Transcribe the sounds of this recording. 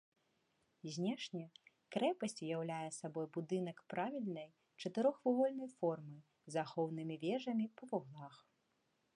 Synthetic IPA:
zʲnʲɛʂnʲɛ | kɾɛpɐsʲt͡sʲjawlʲajɛsabɔjbud̪ɨn̪ɐkpɾavʲilʲnɐj | t͡ʂɐt̪ɨɾɔxvuvɔlʲnɐjfɔrmɨ | zaxɔwnɨmʲivʲɛʐɐmʲipɐvuɣlˠax

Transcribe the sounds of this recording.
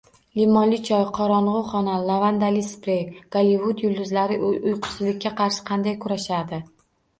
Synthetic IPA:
limɒnlɪt͡ʃʰɒjqʰɒɾɒɴʁʊχɒnalˠavand̪alispɾeɡ̥alivʊd̪jʊld̪ʊzlaɾɪʔʊjʔʊjqʰʊ̥sɪlɪk̚ʲʰːaqʰɑɾʃɪ̥qʰɑnd̪ajkʰʊɾaʃad̪ɪ

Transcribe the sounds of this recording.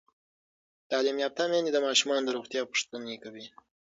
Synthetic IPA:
t̪ɑlimjɑp̚t̪amenid̪əmɑʃumɑnd̪əɾoɣt̪jɑpə̥ʂt̪ənekawi

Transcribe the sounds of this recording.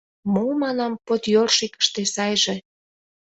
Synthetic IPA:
momɑnɑmpot̪jorʃikə̥ʃt̪esɑjʒe

